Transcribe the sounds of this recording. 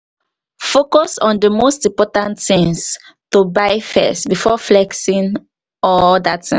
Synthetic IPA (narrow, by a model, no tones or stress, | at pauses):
fokɔsɔ̃ndəmostĩmpɔtãntĩŋs | tubaɪfɛ̰stbifɔflɛksĩn | ɔldatĩ